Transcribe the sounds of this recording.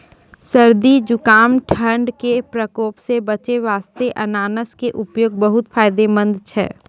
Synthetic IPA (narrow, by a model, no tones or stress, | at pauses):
sɐɾd̪id͡ʒʊkaːmʈʰə̃ɳɖkepɾəkoːpsebɐt͡ʃeʋaːst̪eʔɐnaːnəskeʔʊpjoːɡ̚bəɦʊt̪fʰaːjd̪emə̃nd̪t͡ʃʰɛ̰ː